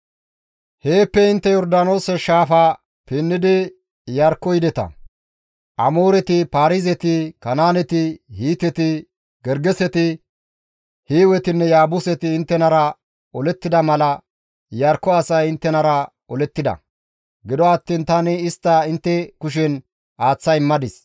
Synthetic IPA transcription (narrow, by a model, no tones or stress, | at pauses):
he̞ːpːɛɪnt̪ːɛjɔɾd̪aːno̞ːsɛʃaːfɐ | pɪnːɪd̪ɪ | jɐɾkːɔjd̪ɛt̪ɐ̰ | ʔɐmo̞ːɾɛt̪ɪpaːɾɪzɛt̪ɪkɐnaːnɛt̪ɪhiːt̪ɛt̪ɪ | ɡɛɾɡɛsɛt̪ɪ | hiːwɛt̪ɪnːɛjaːbʊsɛt̪ɪːnt̪ːɛnɐɾɐ | ɔlɛt̪ːɪd̪ɐmɐlɐ | jɐɾkːɔɐsɐjɪnt̪ːɛnɐɾɐ | ɔlɛt̪ːɪd̪ɐ̰ | ɡɪd̪ɔɐt̪ːiːnt̪ɐnɪɪst̪ːɐɪnt̪ːɛkʊʃ̬ɛn | ʔaːt͡sːɐjmːɐd̪ɪs